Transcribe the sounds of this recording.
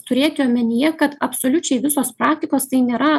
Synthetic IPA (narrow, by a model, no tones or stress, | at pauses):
t̪ʊɾʲeːt̪ʲɪoːmʲɛnʲɪjɛkɐt̪ɐpsoːlʲʊt͡ʃʲɛɪʋʲɪsoːspɾɑːk̚t̪ʲɪkoːst̪ɐɪnʲeːɾɐ